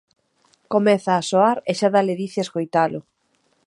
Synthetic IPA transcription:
komɛθaːsoaɾeʃaðaleðiθeaeskojt̪alʊ

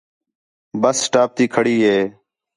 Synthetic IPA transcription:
bəsːʈaːp̚t̪iːkʰəɽiːɦeː

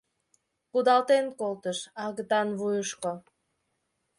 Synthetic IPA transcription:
kud̪ɑlˠt̪enkolˠt̪əʃɑɣət̪ɑnβujuʃko

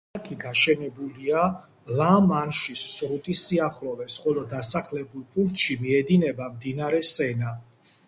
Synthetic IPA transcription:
kʰiɡaʃɛnɛbulia | lamanʃisːɾut̪ʼisiaχlɔvɛsχɔlɔd̪asaχlɛbulˠpʼuŋk̚t̪ʼʃimiɛd̪inɛbamd̪inaɾɛsɛna

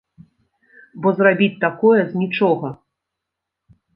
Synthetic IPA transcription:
bɔzrabʲit͡sʲt̪akɔjɛzʲnʲit͡ʂɔɣɐ

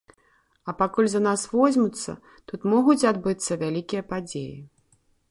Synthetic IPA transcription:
ɐpakulʲzɐnasvɔzʲmʲut̪sːɐ̰ | t̪ut̪mɔɣut͡sʲad̪bɨt̪sːɐvʲalʲikʲijɐpad͡zʲḛjḭ

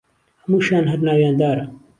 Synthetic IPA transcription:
hɐmuːʃaːnɦɐɾnaːwjaːnd̪aːɾɐ

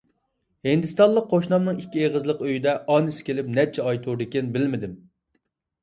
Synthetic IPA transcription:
hind̪ɨst̪ɑnlˠəqʰːoʃnɑmnɨŋikʲːieʁəzlˠəqøjid̪ɛʔɑnɨsɪ̥kʲʰelɪp̚nɛt͡ʃʰɛɑjt̪ʰuɾd̪ɪkʲenbɪlmɪd̪ɪm

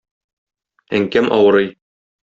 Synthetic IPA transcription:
æŋkæmʔɒwɤ̆ɾɤj

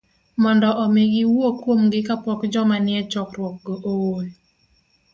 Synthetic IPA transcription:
mɔndɔʔɔmɪɡɪwokːwomɡɪkapɔkd͡ʒɔmanɪɛt͡ʃɔkrwɔk̚ɡoʔool

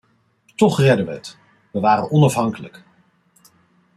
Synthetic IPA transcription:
tɔχrɛdəʋəɦət | ʋəʋaːɾənɔnɑfɦɑŋkələk

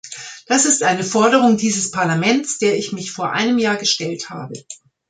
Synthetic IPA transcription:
d̥asɪstʔaɪnəfɔɐɾəʁ̞ʊŋdiːzəspʰaɐlamɛnt͡sd̥eːɐɪçmɪçfoːɐʔa̰ɪnəmjaːɐɡəʃtɛltha̰ːbə

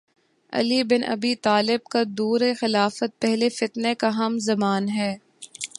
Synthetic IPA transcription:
ɐ̰libɪnʔɐ̰biːt̪aːlɪb̚kad̪uːɾexɪlaːfət̪̚pɛɦlefɪt̪nekaɦɐmzɐmaːnɦɛː

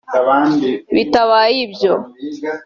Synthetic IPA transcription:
βitaβaːjibjo

